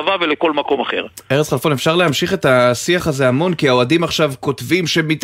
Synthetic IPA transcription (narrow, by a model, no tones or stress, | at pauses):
vaveleko̞lmako̞maχḛʁeʁet͡sχalfonefʃaʁle̞ɦamʃiχe̞t̪asiaχazeamo̞nkiaoadimaχʃavko̞tvimʃe̞mit̪